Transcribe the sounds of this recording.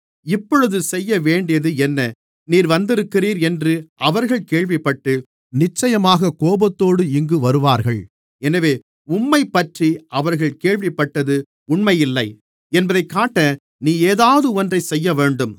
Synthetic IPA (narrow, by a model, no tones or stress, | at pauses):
ɪpːɔɻɯðɯsɛjːɐʋeːɳɖɪjɐðɯɛnːɐ | niːɾʋɐnd̪ɪɾɯkːɪriːɾɛndrɯʔɐʋɐɾɣɐɭkeːɭʋɪpːɐʈːɯ | nɪt͡ʃːɐjɐmaːɣɐkoːbɐt̪ːoːɽɯɪŋɡɯʋɐɾɯʋaːɾɣɐɭ | ɛnɐʋeː | ʊmːɐɪpːɐʈriʔɐʋɐɾɣɐɭkeːɻʋɪpːɐʈːɐðɯ | ʊɳmɐjɪlːɐɪ | ɛnbɐðɐɪkːaːʈːɐ | niːeːðaːʋɐðɯɔndrɐɪsɛjːɐʋeːɳɖɯm